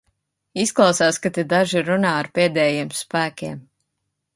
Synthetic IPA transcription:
isklˠɑwsaːskat̪ed̪aʒiɾunaːaɾpeːd̪ɛːjeɛːmspæːkʲeɛm

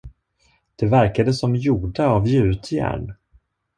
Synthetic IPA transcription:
d̪̥ɛvæɾkad̪əsɔmjuːɖaːvjeːʉ̟ːt̪ʰjæ̰ːɳ

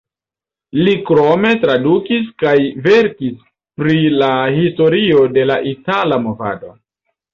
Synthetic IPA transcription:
likɾo̞me̞tɾadukis̬kajveɾkis | pɾilahisto̞ɾio̞de̞laʔitalamo̞va̰do̞̰

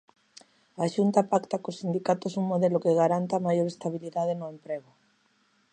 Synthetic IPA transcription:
aʃunt̪apakt̪akosind̪ikat̪osuŋmoðelokeɣaɾant̪amajoɾest̪aβ̞iliðaðenoempɾeɣ̞o

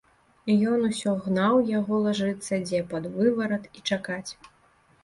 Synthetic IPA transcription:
jɔnusʲɔɣnawjaɣɔlˠaʐɨt̪sːɐd͡zʲɛpad̪vɨvɐɾɐt̪it͡ʂakat͡sʲ

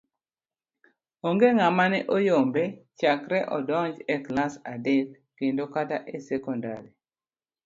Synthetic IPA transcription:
oŋɡeŋamanɛʔojombet͡ʃakɾɛʔɔdɔɲd͡ʒɛklasadek̚ | kendokataʔesɛkɔnda̰ɾi

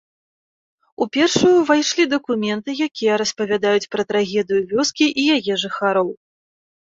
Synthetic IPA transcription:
upʲɛrʂujuvajʂlʲid̪ɐkumʲɛnt̪ɨjakʲijɛɾɐspɐvʲad̪ajut͡sʲpɾɐt̪ɾaɣʲɛd̪ɨjuvʲɔskʲiʔijaɣɛʐɨxaɾɔw

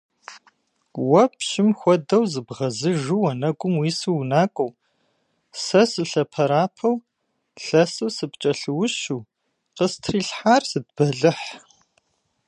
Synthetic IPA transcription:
wɐpʰʃɪmxʷɔdɐwzɨbʁɐzɨʒuwɐnɐɡʷʊmwiːsɨwnaːkʷʼow | sɐsɨɬɐpʰɐɾaːpʰɐw | ɬɐsɨwsɨpt͡ʃʼɐɬɨwʊʃuː | qəstʰriːɬħaːrsɨd̚b̥ɐɮɨħ

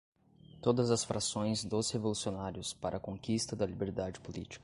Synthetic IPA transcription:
t̪od̪ɐzɐsfɾasõj̃zd̪ozhevolusionaɾjʊspaɾʔɐkõŋkist̪ɐd̪ɐlibeɾd̪ad͡ʒɪpolḭt͡ʃi̥kɐ

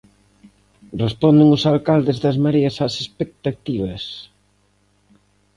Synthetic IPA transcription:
respɔnd̪ɪŋʊsalkald̪ɪzðɐzmaɾeɐsasespek̚t̪at̪iβɐs

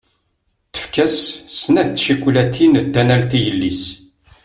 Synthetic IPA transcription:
θə̥fkæssənæθt͡sːʃikʷːlæt̪ʰːind̪ːænælt̪ijəlːis

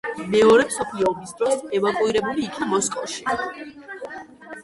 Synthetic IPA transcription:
mɛɔɾɛpsɔpʰiɔːbisd̪ɾɔsɛvakʼuiɾɛbuliːkʰnamɔskʼɔʃi̥

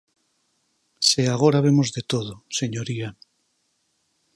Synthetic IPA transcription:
seaɣ̞oɾaβ̞emozðet̪oð̞oseɲoɾia

